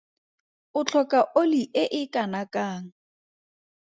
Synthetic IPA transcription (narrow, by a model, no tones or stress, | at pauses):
ʊt͡ɬʰɔkʼaʔoliʔɪʔɪkʼanakʼaːŋ̩